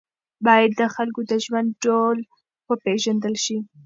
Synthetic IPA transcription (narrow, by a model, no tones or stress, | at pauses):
bɑjad̪ːəxalkod̪əʒwand̪̚ɖol | wəpeʒand̪əlʃi